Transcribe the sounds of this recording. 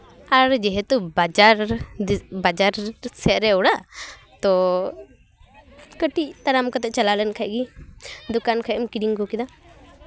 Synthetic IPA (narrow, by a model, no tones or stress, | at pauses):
aɾd͡ʒɛɦɛt̪ubad͡ʒaɾ | bad͡ʒaɾsɛʔɾɛɔɽa | t̪ɔ | kəʈiʔt̪aɾamkat̪ɛʔ̚t͡ʃalalɛnkʰaʔ̚ɡid̪ɔkankʰajɔmkiɽiŋkɔkid̪a